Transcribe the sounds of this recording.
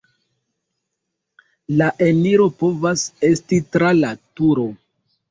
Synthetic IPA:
laʔe̞niɾo̞po̞vase̞stitɾalatuɾo

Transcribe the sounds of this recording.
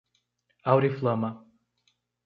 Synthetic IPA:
awɾiflˠəma

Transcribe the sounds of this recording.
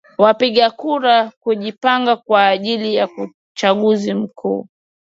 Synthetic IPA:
wapiɠakuɾakuʄipaŋɡakwaːʄilijau | t͡ʃaɠuzim̩kʰṵː

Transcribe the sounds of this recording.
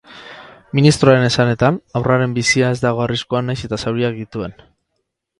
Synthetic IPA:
minist̪ɾoaɾe̞ne̞sane̞t̪anawraɾe̞mbisiae̞zd̪aɣ̞o̞ariskuanajse̞t̪asawɾiak̚d̪it̪ue̞n

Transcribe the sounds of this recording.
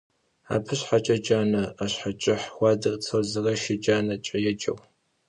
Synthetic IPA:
a̰ːpʰɨɕħat͡ʃʼɐd͡ʒaːnɐaɕħat͡ʃʼɪħxʷɑːdɨrʼt͡sʰɐrzɨrɐʃɪd͡ʒaːnɐt͡ʃʼɐjɛd͡ʒʼɐ̰w

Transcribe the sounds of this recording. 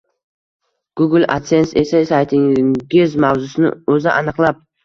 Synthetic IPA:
ɡ̥ʊɡʲɪlʲa̰t̪sensesejsajt̪ʰɪɡʲɪzmawzʊsɪnɪ̰ɵzɪʔanɨqlˠɑp̚

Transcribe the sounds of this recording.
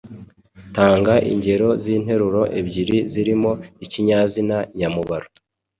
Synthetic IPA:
taːŋɡaʔḭɲɟe̞ɾo̞ziːn̥he̞ɾuɾo̞ʔebɟiɾiziɾimo̞iciɲaːzinajamuβaɾo

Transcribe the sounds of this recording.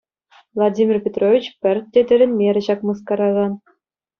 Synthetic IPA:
vlˠadʲimʲirpʲet̪rovʲit͡ɕpʲɘ̆rʲt̪tʲːed̪ʲɘ̆ɾʲɘ̆nʲmʲeɾʲɘ̆ɕɑkmɤskɑɾɑɣɑn

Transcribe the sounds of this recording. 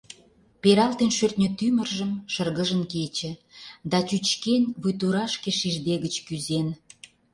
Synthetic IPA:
peɾɑlt̪enʃørt̪ʲnʲøt̪ymə̆rʒə̆mʃərɣə̆ʒənket͡ɕĕd̪ɑt͡ɕyt͡ɕkenʲβujt̪uɾɑʃkeʃiʒd̪eɣət͡ɕkyzen

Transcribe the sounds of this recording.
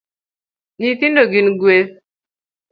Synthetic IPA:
nit̪indoɡinɡwe

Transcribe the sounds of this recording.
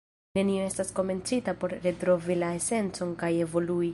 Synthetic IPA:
ne̞nio̞e̞stasko̞me̞nt͡sitapo̞ɾɾetɾo̞vilae̞se̞nt͡so̞nkaje̞vo̞lui

